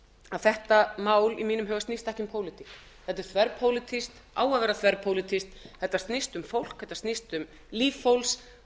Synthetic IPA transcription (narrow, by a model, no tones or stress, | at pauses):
aðθɛht̪amaːwlimiːnʏmɦœːɣvast̪nist̪aɛhcɪmpʰoːwlɪt̪ʰik | θɛt̪ɪɾ̥θvɛɾpʰowlɪt̪ʰist̪ | a̰ːwaðvɛːɾaθvɛɾpʰowlɪt̪ʰist̪θɛht̪ːast̪nɪst̪ʏmfowl̥kθɛht̪ːast̪nɪst̪ʏm | liːffowls